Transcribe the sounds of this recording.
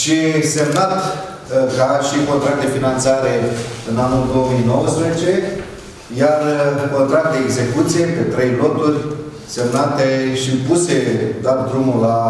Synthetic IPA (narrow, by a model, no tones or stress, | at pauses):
ʃisemnat̪ | kaʃiko̞nt̪ɾak̚t̪d̪e̞finant̪saɾe̞ɨnanuld̪o̞omijnowəspɾezet͡ʃe̞ | jarko̞nt̪ɾak̚t̪d̪e̞eɡze̞kut̪sije̞pe̞t̪ɾe̞jlo̞t̪urʲ | se̞mnat̪eʃipuse̞d̪at̪d̪ɾumula